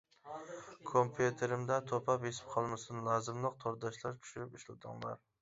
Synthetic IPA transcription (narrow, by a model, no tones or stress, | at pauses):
kʰompʰjut̪ʰeɾɪmd̪ɛt̪ʰopʰɑpjesɪ̥p̚qʰɑlˠmɪsɪnlˠɑzɨmlˠɨq̚t̪ʰoɾd̪ɑʃlˠɑɾt͡ʃʲʰy̥ʃyɾɪpyʃlˠɪd̪ɨ̰ŋlˠɑ̰ɾ